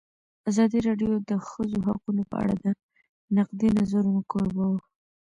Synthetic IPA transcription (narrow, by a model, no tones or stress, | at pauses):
azɑd̪iɾɑɖjod̪əxəzoɦa̰qunopə̰a̰ɽa̰d̪ə | naqd̪inazaɾunokoɾbawə